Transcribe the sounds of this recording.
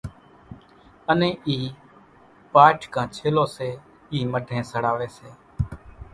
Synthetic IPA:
ənẽːʔiː | paːʈʰkãːt͡ʃʰeːloːseː | iːməɖʱẽːsəɽaːʋeːseː

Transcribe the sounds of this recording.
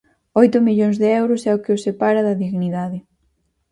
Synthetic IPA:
ojt̪ʊmiʎoŋzðɪɛwɾʊsɛʊkɪosepaɾɐðɐðiɣniðaðɪ

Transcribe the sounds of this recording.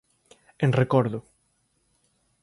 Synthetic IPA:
eŋrekɔɾðʊ

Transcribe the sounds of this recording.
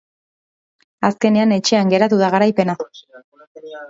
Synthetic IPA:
aske̞ne̞ane̞t͡ʃe̞aŋɡe̞ɾat̪uðaɣ̞aɾajpe̞na

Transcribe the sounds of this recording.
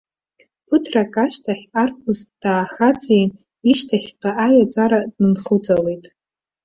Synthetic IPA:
pʰɨtʰrakʼaʃtʰaχʲarkʰʊzd̥aːχat͡sʷʼen | iʃtʰaχʲqʼaajad͡ʒʷʼaɾadnɨnχud͡zalejtʼ

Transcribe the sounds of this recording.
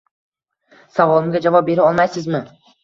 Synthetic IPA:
savɒlˠɪmɡʲad͡ʒavɒp̚be̞ɾaɒlˠmajsɪzmɪ

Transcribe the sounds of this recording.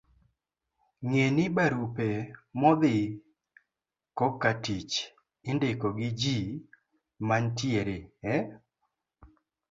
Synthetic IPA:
ŋenɪbaɾupemɔd̪ɪ | kɔkːatit͡ʃ | ɪndekɔɡɪd͡ʒi | mantjeɾeɛ

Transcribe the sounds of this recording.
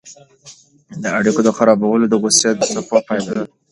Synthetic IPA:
d̪əaɽikod̪əxaɾɑbawəlod̪əɣʊsjad̪safɑpɑjlad̪a

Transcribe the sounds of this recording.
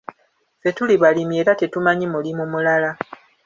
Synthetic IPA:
fe̞tuliβalimje̞ːɾate̞tumaɲimulimumulala

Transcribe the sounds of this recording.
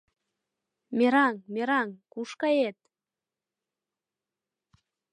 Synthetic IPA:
meɾɑŋmeɾɑŋkuʃkɑet̪̚

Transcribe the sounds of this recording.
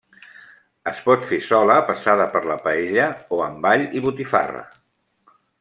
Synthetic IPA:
əspɔt̪fesɔləpəsaðəpəɾləpəeʎəoəmbaʎiβut̪ifa̰rə̰

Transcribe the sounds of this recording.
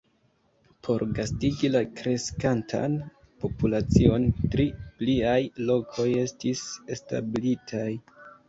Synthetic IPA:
pʰo̞ɾɡastiɡilakɾe̞skantʰa̰n | po̞pulat͡sio̞ntɾipliajlo̞kʰo̞je̞stise̞sta̰blitʰaj

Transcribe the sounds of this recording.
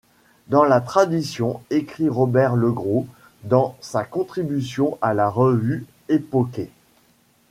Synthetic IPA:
d̪ɑ̃lat̪χad̪isjɔ̃ekχiʁɔbɛʁləɡʁo | d̪ɑ̃sakɔ̃t̪χibysjɔ̃ʔalaʁəvy | epɔke

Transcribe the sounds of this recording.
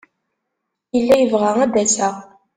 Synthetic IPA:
jəlːæjəvʁææd̪æsəʁ

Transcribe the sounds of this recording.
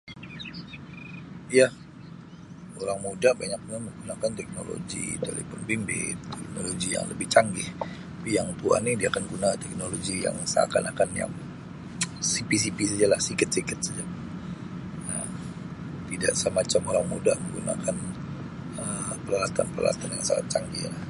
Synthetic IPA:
ijah | oɾaŋmudaʔbaɲak̚ɲaməŋɡunakant̪ɛk̚nolo̰ɡḭt̪elefʊnbimbɪ̰t̪ɛk̚noloɡija̰ŋləbɪht͡ʃaŋɡɪh | pijaŋt̪ua̰nidiakanɡunat̪ɛk̚noloɡija̰ŋsa̰ka̰nakanja̰ŋ | sipis̬ipis̬ad͡ʒalahsikət̪̚sikət̪̚sad͡ʒa | a | t̪idaʔsəmat͡ʃamoɾaŋmṵdaʔməŋɡuna̰kan | əpəlaat̪anpərla̰la̰t̪anja̰ŋsa̰a̰t̪̚t͡ʃaŋɡḭhla

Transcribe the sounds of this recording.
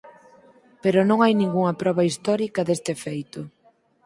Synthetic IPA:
peɾʊnõŋajnĩŋɡuŋɐpɾɔβɐist̪ɔɾikɐðest̪ɪfejt̪ʊ

